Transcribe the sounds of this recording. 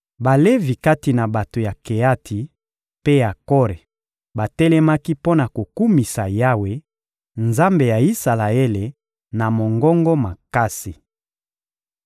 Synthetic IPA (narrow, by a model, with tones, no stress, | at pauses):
ba˨le˦vi˨ka˦ti˨na˨ba˨to˨ja˨ke˨a˦tʰi˨ | pe˦ja˨kɔ˦ʁe˨ | ba˨tɛ˦lɛ˦ma˦ki˦po˦na˨ko˨ku˦mi˨sa˨ja˦we˨ | nza˦mbe˨ja˨i˦sa˨la˨e˦le˨ | na˨mo˨ŋɡɔ˦ŋɡɔ˦ma˨ka˦si˨